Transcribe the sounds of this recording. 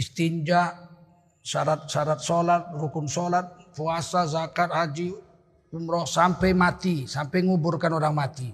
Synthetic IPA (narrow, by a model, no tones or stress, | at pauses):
ist̪iɲd͡ʒaʔ | saɾat̪̚saɾat̪̚solat̪̚rukunsolat̪̚puasazakat̪̚had͡ʒi | umɾɔhsampɛjmat̪isampɛjŋuburkanoɾaŋmat̪i